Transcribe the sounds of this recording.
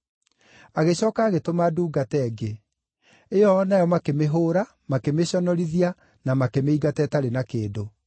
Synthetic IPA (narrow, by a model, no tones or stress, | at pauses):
aɣeɕɔːkaːɣetomaːduːɡatɛɡe | ejɔːnajɔmakemeɦoːɾa | makemeɕɔnɔɾiðia | namakemeiɡatɛtaɾenakeːdo